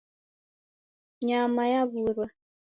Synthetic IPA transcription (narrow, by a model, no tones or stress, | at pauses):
ɲamajaβuɾwa